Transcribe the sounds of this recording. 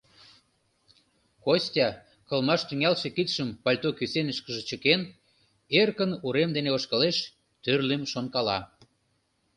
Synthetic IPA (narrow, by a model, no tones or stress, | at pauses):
kosʲtʲɑ | kə̆lmɑʃt̪yŋælʃĕkit̪ʃəmpɑlʲt̪okysenəʃkəʒe̽t͡ɕəken | erkənuɾemd̪eneoʃkəleʃ | t̪ørlemʃonkɑlɑ